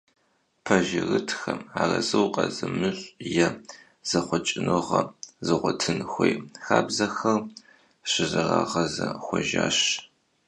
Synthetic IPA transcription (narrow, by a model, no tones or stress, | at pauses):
pʰɐʒɪrɨtʰxɐmaːrɐzɨwqʼɐzɨmɨɕʷʼjɛ | z̥ɐχʷɔt͡ʃʼɪnɨʁɐzɨʁʷɔtʰɨnxʷejxaːbzɐxɐr | ɕɪzɨrɑːʁɐzɐxʷɔʒaːɕ